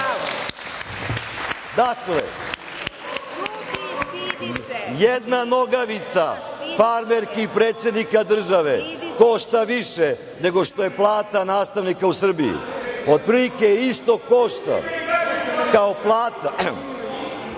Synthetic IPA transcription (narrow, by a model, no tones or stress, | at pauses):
d̪aklḛ | jed̪nanoɡaʋit̪safaɾmeɾkipɾeːt̪sje̞d̪nikad̪r̩ʒaʋe̞koʃt̪aʋiʃe | ne̞ɡo̞ʂt̪o̞je̞plˠaːt̪anaːst̪aʋnikausr̩bḭjṵod̪̚pɾilikeist̪o̞koʃt̪a̰ | kaoplˠaːt̪a